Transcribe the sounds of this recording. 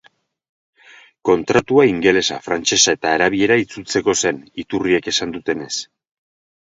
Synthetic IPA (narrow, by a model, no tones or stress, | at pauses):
ko̞nt̪ɾat̪uaiŋɡe̞le̞safɾant͡ʃe̞sae̞t̪aːɾaβ̞ie̞ɾait͡sut͡se̞ko̞se̞nit̪urieke̞sand̪ut̪e̞ne̞s